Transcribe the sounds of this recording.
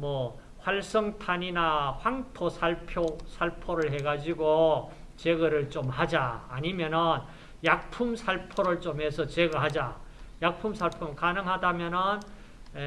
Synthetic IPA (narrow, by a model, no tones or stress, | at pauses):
mʌ | ɸwaɭs͈ʌŋtʰaɲinaɸwaŋtʰosʰaɭpʰjosʰaɭpʰoɾɯɭɦe̞ɡad͡ʑiɡo | t͡ɕeɡɯɾɯɭt͡ɕomhad͡ʑaːɲimjʌnɯn | jak̚pʰumsʰaɭpʰoɾɯɭt͡ɕomɦesʰʌt͡ɕeɡɯɭɦad͡ʑajak̚pʰumsʰaɭpʰomkanɯŋɦadamjʌnɯn | e